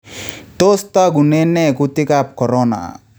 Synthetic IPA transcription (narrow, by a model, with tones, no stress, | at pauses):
t̪o˦st̪a˦ɡu˨ne˦nːɛ˦ku˦t̪ɪ˦ka˦p̚kɔ˨ɾɔna̰˨